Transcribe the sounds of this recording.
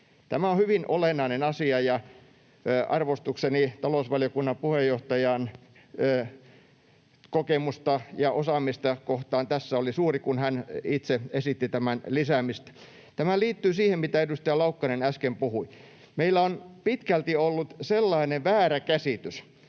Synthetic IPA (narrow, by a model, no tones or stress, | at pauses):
t̪æmæonhyʋinʔolenːˑɑinenɑsiɑjɑ | ɑ̰rʋost̪uksenit̪ɑlousʋɑljokunːɑmpuhejːoht̪ɑjɑnː | kokemust̪ɑjɑʔosɑmist̪ɑkoht̪ɑːnt̪æsːæolisuːrikunhænit̪seesit̪ːit̪æmænlisæmist̪æ̥ | t̪æmæliːt̪ːyːsiːhemmit̪æedust̪ɑjɑlɑukːɑnenæskempuhui | meilːˑæonpit̪kælt̪iolːut̪selːɑineʋʋæːɾækæsit̪ys